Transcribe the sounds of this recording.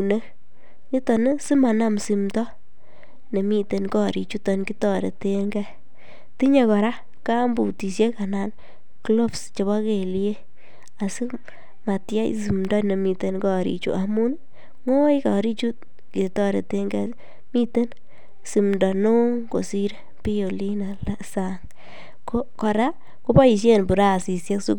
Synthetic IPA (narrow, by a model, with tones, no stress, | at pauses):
u˨ne˦ | ŋi˦tɔ˨ne˦si˦ma˨na˦msi˨mdɔ˦ | ne˨mi˦te˨nkɔ˦˨ɾḭ˨t͡ʃu˦tɔ˨nki˦tɔ˦ɾḛ˨te˦ŋɡɛ˦ | ti˦ɲe˨kɔ˨ɾa˦ | ka˦mbu˨ti˨sje˦ka˨na˨n | klo˦fst͡ʃe˨βa˦ke˨lie˦ | a˨si˦ | ma˨tja̰˦j̰si˨mndɔ˦ne˨mi˨te˦nkɔ˦ɾḭ˨t͡ʃṵ˨ʔa˨mu˦n | ŋo˦jka˨ɾi˦t͡ʃu˦ | ke˨tɔ˦ɾe˨te˦ŋɡɛ | mi˦te˦n | si˨mndɔ˨no˦ŋko̰˨si˦ɾe˦ | pi˦jo˨li˦na˨la˦sa˦ŋ | kokɔ˨ɾa˦ | ko˦ba˦i˨ʃ̬je˦˨nbu˨ɾa˦˨si˨sje˦ksu˦